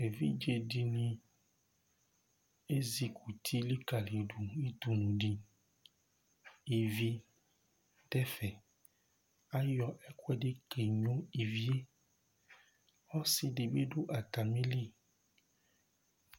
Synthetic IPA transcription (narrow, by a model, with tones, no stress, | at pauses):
e˨vḭ˦d͡ʒe˨ɖi˨nĩ˨ | e˦zi˨ku˨t̪ʰi˦li˦ka˨le˨ɖu˨i˦t̪u˨nũ˨ɖi˦ | i˨vi˦ | ɖɛ˦fɛ˨ | a˦jɔ˨ʔɛ˦kwɛ˦ɖe˦ke˨ɲõ˦i˨vi˦e˦ | wɔ˦si˨ɖe˨be˦ɖo˦ʔa˨t̪a˨mĩ˦li˦